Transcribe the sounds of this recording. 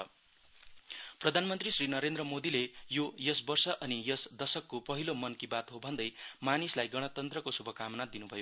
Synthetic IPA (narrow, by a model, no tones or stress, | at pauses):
ʌ | prʌd̪ʱanmʌnt̪risrinʌɾend̪ɾʌmod̪ilejojʌsbʌrsʌʔʌnijʌsd̪ʌsʌkːopʌɦilomʌnkibat̪ɦobʱʌnd̪ʌjmanislajɡʌɽ̃ʌt̪ʌnt̪rʌkosubʱʌkamʌnad̪inubʱʌjo